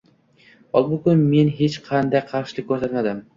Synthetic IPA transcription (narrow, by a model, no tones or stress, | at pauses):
ɒlˠbʊkʊnme̞nɦe̞t͡ʃqʰɑnd̪ajqʰɑɾʃɪlɪkʲkʰːɵɾsat̪mad̪ɪm